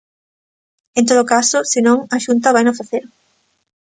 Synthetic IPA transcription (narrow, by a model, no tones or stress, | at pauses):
ẽnt̪oðokasʊsenõŋɐʃunt̪ɐβajnofeθeɾ